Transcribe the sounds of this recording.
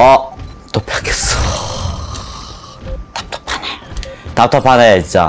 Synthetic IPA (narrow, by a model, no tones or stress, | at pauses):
ʌt̪͈opʰak͈ʰes͈o | t̪ḁp̚t̪ʰḁpʰanetap̚tʰapʰaneint͡ɕ͈a̰